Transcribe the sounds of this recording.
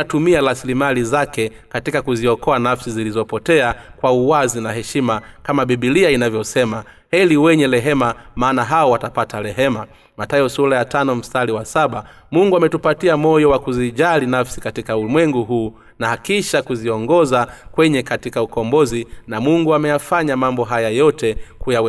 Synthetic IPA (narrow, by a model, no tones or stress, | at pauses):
atumialasilimalizakɛ | katikakuziɔkɔanafsizilizɔpɔtɛakwauwazinaɦɛʃimakamaɓiɓiliainavjɔsɛma | hɛliwɛɲɛlɛɦɛmamaːnaɦaɔwatapatalɛɦɛma | matajɔsulajatanɔm̩staliwasaɓa | muŋɡuamɛtupatiamɔjɔwakuziʄalinafsikatikaumwɛŋɡuɦuː | naakiʃakuziɔŋɡɔzakwɛɲɛkatikaukɔmbɔzinamuŋɡuamɛjafaɲamambɔɦajajɔtɛkujawɛ